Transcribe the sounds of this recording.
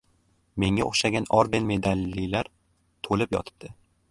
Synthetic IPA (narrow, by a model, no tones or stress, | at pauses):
me̞ŋao̰χʃaɡʲanɒɾb̪enme̞d̪alːilaɾ | t̪ʰolɪpjɒ̰t̪ʰɪ̥b̚d̪̥ɪ